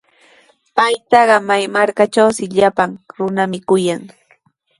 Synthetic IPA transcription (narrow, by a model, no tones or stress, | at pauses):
pajt̪ɑɢɑmajmaɾkat͡ʃawsɪʎapaŋɾʊnamɪkʊjaŋ